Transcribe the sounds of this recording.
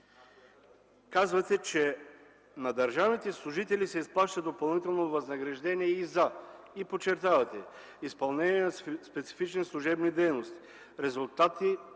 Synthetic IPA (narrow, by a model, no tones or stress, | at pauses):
kazvɐt̪ɛt͡ʃɛ | nɐd̪ɐɾʒavnit̪ɛslˠuʒit̪ɛlisɛisplˠaʃt̪əd̪opɐlˠnit̪ɛlˠnovɐznɐɡɾɐʒd̪ɛniɛizɐ | ipot͡ʃɛɾt̪avɐt̪ɛ | ispɐlˠnɛniɛnɐspɛt̪si̥fit͡ʃnislˠuʒɛbnid̪ɛjnost̪i̥ | ɾɛzulˠt̪at̪i